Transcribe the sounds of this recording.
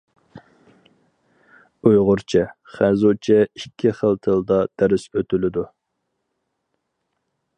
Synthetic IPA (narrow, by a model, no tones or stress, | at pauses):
ujʁʊɾt͡ʃʰɛ | χæzot͡ʃʰɛikʲʰːiχəlˠt̪ʰəlˠd̪ɑd̪̥æɾɪsøt̪ylɪd̪u